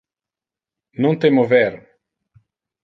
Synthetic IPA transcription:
nõt̪emovɛɾ

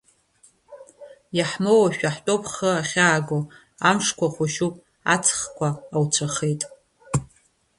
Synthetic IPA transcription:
jaħmowaʃᶣaħtʼopʰχəaχʲaːɡo | amʂkʷʰaχʷʊʃupʼ | a̰t͡sʰχkʷʰaːwt͡sʷʰaχejtʼ

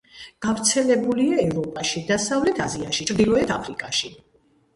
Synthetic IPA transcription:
ɡ̥avɾt̪sʰɛlɛbuliaɛvɾɔpʼaʃid̪asavlɛt̪ʰaziaʃit͡ʃʰɾd̪ilˠɔɛt̪ʰapʰɾikʼaʃi

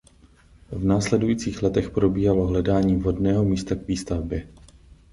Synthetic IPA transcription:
vnaːslɛdujiːt͡siːxlɛt̪ɛxpɾo̞biːɦaloɦlɛdaːɲiːvɦo̞dnɛːɦo̞miːst̪aɡviːst̪avbjɛ

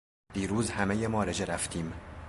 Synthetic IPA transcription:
d̪̥iːɾuːzhæmejemɒːɾed͡ʒeɾæft̪ʰiːm

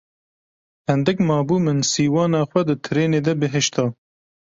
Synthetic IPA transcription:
hɨnd̪ɨkmɑːbuːmɨnsiːwɑːnɑːxʷɛd̪ɨt̪ʰɨɾeːneːd̪ɛbɨɦɨʃt̪ʰɑː

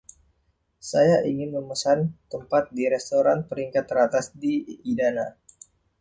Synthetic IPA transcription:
sajaʔiŋɪnməməsant̪əmpat̪̚diɾɛst̪oɾanpəɾiŋkat̪ːəɾat̪asdiːdana

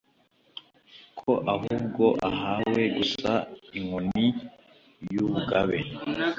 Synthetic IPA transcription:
kʰo̞ʔaɦuːbɡo̞ʔaɦawe̞ɡusaiŋuni | juβuɡaβe̞

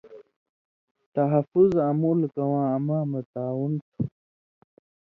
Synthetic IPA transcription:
t̪aɦafuzamulkawãːamãːmat̪aːwunt̪ʰu

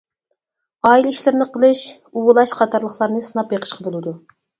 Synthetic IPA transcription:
ɑːilɪiʃlɪɾnɪqʰəlˠɨʃ | uwʊlˠɑʃqʰɑt̪ʰɑɾlˠəχlˠɑɾnɨsɨnɑpjeqʰə̥ʃqʰɑbolˠɨd̪u

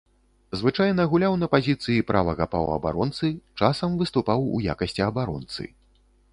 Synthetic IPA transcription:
zvɨt͡ʂajnɐɣulʲawnɐpazʲit̪sɨjipɾʔavɐɣapa̰wɐ̰ba̰ɾɔnt̪sɨt͡ʂasɐmvɨst̪upawṵja̰kɐsʲt͡sʲiɐbaɾɔ̰nt̪sɨ̰

